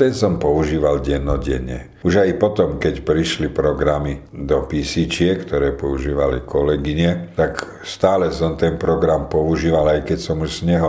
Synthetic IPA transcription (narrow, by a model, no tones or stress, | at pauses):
t̪ɛnsɔmpɔuʒiːʋalɟɛnːɔɟɛ̰ɲɛ | uʒajpɔt̪ɔmkɛcpɾiʃlipɾɔɡɾami | d̪ɔpisit͡ʃɪɛkt̪ɔɾɛːpɔuʒiːʋalikɔlɛɡiɲɛt̪ak | st̪aːlɛsɔmt̪ɛnpɾɔɡɾampɔuʒiːʋalajkɛcsɔmuʃsɲɛɦɔ